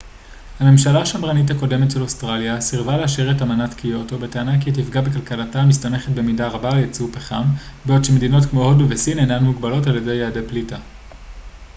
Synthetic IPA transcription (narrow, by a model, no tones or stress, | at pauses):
hame̞mʃalaːʃamʁanit̬hako̞de̞me̞tʃelo̞stʁaljasiʁvaleaʃeʁetamanatkijo̞to̞beteanakiat̬ifɡabe̞kalkalatamistame̞χetbe̞midaʁabaljet͡supeχambeo̞dʃeme̞dino̞tkmo̞hodbevesinejnanmuɡbalo̞taljedejaːdeplita